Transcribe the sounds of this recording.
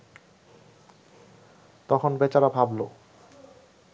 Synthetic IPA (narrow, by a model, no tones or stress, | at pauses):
t̪ɔkʰonbet͡ɕaɾabʱablo